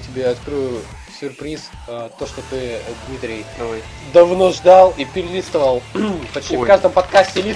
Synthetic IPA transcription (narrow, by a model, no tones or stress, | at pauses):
tʲɪbʲeɐt̪kɾɨjʊ | sʲʊrpɾʲis | ət̪o̞ʂt̪ot̪ɨd̪mʲit̪ɾʲɪj | d̪ɐvnoʐd̪alˠipʲɪɾʲɪlʲitst̪əvəlˠpɐt͡ɕ̪ʲifkaʐd̪əmpɐt̪kasʲtʲɪlʲi